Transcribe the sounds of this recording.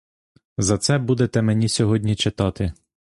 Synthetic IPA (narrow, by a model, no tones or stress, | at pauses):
zɐt̪sɛbud̪et̪ɛmenʲisʲɔɦɔdʲnʲit͡ʃet̪ɑt̪ɪ